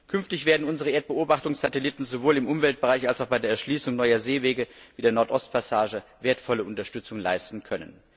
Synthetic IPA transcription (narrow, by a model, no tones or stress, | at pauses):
kʰʏnftɪçv̥eːɐdn̩ʊnzəʁəʔeːɐt̚b̥əoːbaχtʊŋsz̥atɛlɪtn̩zovoːlɪmʔʊmvɛlt̚b̥əʁaɪçalsaʊxb̥aɪdeɐɛɐʃliːsʊŋnɔʏɐzeːveːɡəviːdeːɐnɔɐtʔɔst̚pʰasaːʒəveːɐtfɔləʔʊntɐʃtʏt͡sʊŋənla̰ɪstn̩kʰœnən